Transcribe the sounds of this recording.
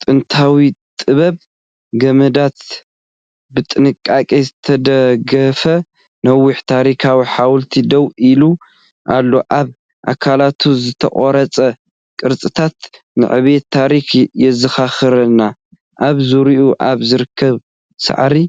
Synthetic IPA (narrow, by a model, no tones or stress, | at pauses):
t̪ʼɨnt̪ʰawit̪ʼɨβɐβ | ɡɐmɐd̪at̪ | bɨt̪ʼɨnɨkʼːakʼizɨt̪ʰɐd̪ɐɡɐfɐ | nɐwːʊħt̪ʰaɾikʰawiħawlt̪ʰid̪ɐwʔilu | ʔalːo̞ʔaβ | ʔa̰kʰalat̪ʰuzɨt̪ʰɐ̰χʼoɾɐt͡sʼɐ | kʼɨɾt͡sʼɨt̪ʰat̪ | nɨ̰ʕɨβet̪ʰːaɾixjɛzɨxaxɨɾɐnːa | ʔaβzuɾiʔuʔaβzɨɾɨkʰːɐβ | sa̰ʕɾi